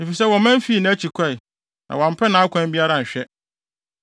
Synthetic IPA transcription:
ne˨fi˨sɛ˦wɔ̃˨mæ̃˦m˦fi˦˨nã˨˦æ˦t͡ɕʰi˨kʷʰɛ˦˨i˨ | nʔã̰˨wã˨m˨pʰɛ˦nã˨˦a˦kʷʰã˦m˦bi˦a˦ɾa˨ɲ̩˨ɕᶣɛ˦

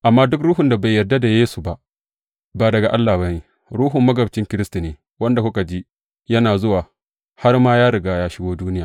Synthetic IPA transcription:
ʔa˨mːaː˦dʊ˦k̬ɾuː˦ɦʊ˨nda˨ba˨jːɐ˨rda˦da˨jeː˦su˨ba˨ʔ | baː˨dɐ˨ɡa˨ʔa˦lːaː˨ba˦ni˦ | ɾuː˦ɦʊ˨mːɐ˦ɡɐ˨bt͡ʃɪ˦ŋkʲɪ˦ɾɪ˦sti˨neː˨ | wɐ˦nda˨kʷʊ˦ka˨d͡ʒi˦ | jɐ˦naː˨zʊ˦waː˨ | ha˦rmaː˦jaː˦ɾɪ˨ɡaː˦˨jaː˦ʃɪ˦ɡʷoː˦duː˦nɪ˦jaː˨

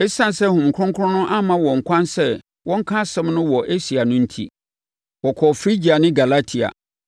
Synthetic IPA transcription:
ɛ˦sã˦n˨sɛ˦hʊ̃˨m̩˨kʰʊ˦ʊ̃˦ŋkʰʊ˦ʊ̃˦nʊ̃˦ʔa˦mã˦wɔ̃˨ŋ̩˨kʷʰã˦nsɛ˦ | wɔ̃˦ŋ̩˦kʰã˦sɛ̃˦mnʊ̃˦wɔ˨ʔe˦si˨a˨nʊ̃˦n̩˦tʰḭ˦ | wɔ˨kʰɔ˨fɾi˦d͡ʑi˨a˨nɪ̃˦ɡa˨la˦tʰi˨a̰˨

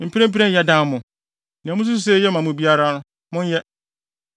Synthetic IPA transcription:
m̩˨pʰi˦ɾɛ̃˦pʰi˦ɛ̃˦n˨jɛ˦dã˦mʊ̃˨ | nɪ̃˨mʊ̃˦s̬u˦ss̬ɛ˦jɛ˦mã˨mʊ̃˨bi˦a˦ɾa˦nʊ̃˦ | mʊ̃˦n˦jɛ˦

